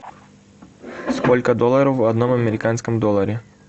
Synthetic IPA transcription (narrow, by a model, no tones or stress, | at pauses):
skolʲkəd̪olˠəɾəfvɐd̪no̞mɐmʲɪɾʲɪkanskəmd̪olˠəɾʲɪ